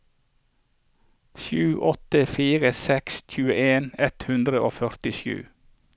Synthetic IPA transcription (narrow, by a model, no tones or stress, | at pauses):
ʃʉːʔɔt̪əfiːʁəsɛksc͡çʉːəʔeːnɛt̪hʉnd̪ʁəʔo̰ːfœʁt̪ɪʃjʉ̰ː